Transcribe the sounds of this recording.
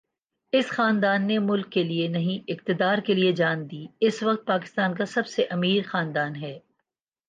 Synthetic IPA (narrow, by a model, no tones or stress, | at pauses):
ɪsxaːnd̪aːnːemʊlkːelienɐɦĩʔɪq̚t̪ɪd̪aːɾkelied͡ʒaːnd̪iːɪsʋɐq̚t̪̚paːkɪ̥st̪aːnkasɐbseʔɐmiːɾxaːnd̪aːnɦɛː